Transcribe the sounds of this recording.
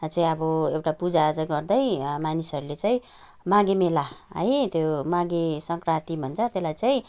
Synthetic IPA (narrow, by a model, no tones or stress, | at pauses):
t͡saĩʌbʌewʈapud͡zat͡saĩɡʌrd̪ʌjmanisʌɾulet͡saĩ | maɡemelaʌ̰jt̪jomaɡesʌŋkrat̪ibʱʌnt͡sʰʌt̪elajt͡saĩ